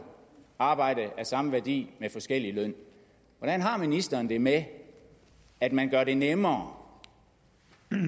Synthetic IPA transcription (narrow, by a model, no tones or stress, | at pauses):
ɑ̈ːb̥ɑ̈ɪ̰d̥əʔæsɑ̈məʋæɐd̥ḭːmefɒ̽sɡ̥el̰ilœn̰ | ʋɒɾ̥ænɦɑ̈minisd̥ɐːnd̥e̝me | æd̥mænɡ̥ɶɐɾe̝nemɐː